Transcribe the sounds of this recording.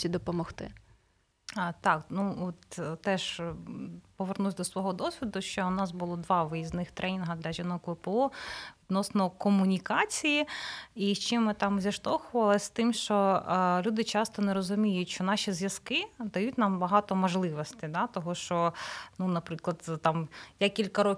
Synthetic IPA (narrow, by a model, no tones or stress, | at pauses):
sʲid̪ɔpɔmɔxt̪ɪ̰ | t̪ɑknuɔt̪t̪ɛʃ | pɔʋernusʲd̪ɔsʋɔɦɔd̪ɔsʲʋʲid̪ʊʃt͡ʃɔʊnɑsbʊlˠɔd̪ʋɑʋɪjiznɪxt̪ɾʔɛnʲinɦɐd̪lʲɐʒʲinɔkʋpɛɔʋʲid̪nɔsnɔkɔmʊnʲikɑt͡sʲijiiʃt͡ʃɪmɪt̪ɑmzʲiʃt̪ɔxʊʋɐlˠɪsʲt̪ɪmʃt͡ʃɔlʲud̪ɪt͡ʃɑst̪ɔnɛɾɔzʊmʲijʊtʲʃt͡ʃɔnɑʃʲizʲjɐskɪd̪ɐjutʲnambɐɦɑt̪ɔmɔʒlˠɪʋɔsʲt̪ʲɪd̪ɑt̪ɔɦɔʃt͡ʃɔnunɐpɾɪklˠɐd̪t̪ɑmjakʲilʲkɐɾɔ